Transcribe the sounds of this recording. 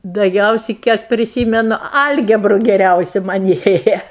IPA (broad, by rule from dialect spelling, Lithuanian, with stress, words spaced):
dɐˈɡʲɛʊsʲɪ kʲiɛk pʲrʲɪˈsʲiːmʲɛnʊ ˈɐlʲɡʲɛbrʊ ɡʲɛˈrʲɛʊsʲɪ mɐnʲ ˈeːjɛ